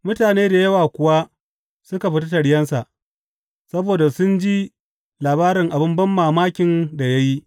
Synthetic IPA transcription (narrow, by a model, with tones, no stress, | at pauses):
mʊ˦taː˨neː˦da˨jɐ˦waː˨kʷʊ˨wa˦ | sʊ˦ka˨ɸɪ˦t̬a˦tɐ˨ɽɪ˦jɐ˦nsa˨ʔ | sɐ˦boː˨da˨sʊ˦nd͡ʒi˦ | laː˨baː˦ɾɪ˨ŋʔa˨bɪ˦mbɐ˦mːaː˨maː˦kʲɪ˨nda˨ja˦ji˦